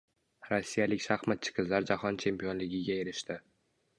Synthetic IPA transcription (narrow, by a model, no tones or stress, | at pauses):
ɾosːijalɪkʲʃaχmat̪̚t͡ʃʰɪ̥qʰɨzlaɾd͡ʒahɒnt͡ʃʰe̞mpijonlɪɡʲɪɡʲaeɾɪʃt̪ɪ